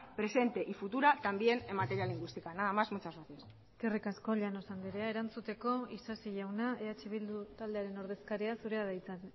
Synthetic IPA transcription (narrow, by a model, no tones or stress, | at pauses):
pɾe̞se̞nt̪e̞ʔifut̪uɾat̪ambie̞nemat̪e̞ɾialiŋɡwist̪ikanaðamazmut͡sasaθies | kerikasko̞ʎano̞sand̪iɾe̞aeɾant͡sut̪e̞ko̞isasiʝawnaʔeat͡ʃiβ̞ild̪ut̪ald̪e̞aɾe̞no̞ɾð̞e̞skaɾiasuɾe̞aðajt͡san